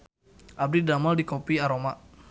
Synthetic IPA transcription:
ʔab̚didamaldikopiaɾoma

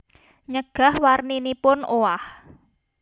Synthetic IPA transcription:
ɲəɡ̥a̤hwarninipʊnoah

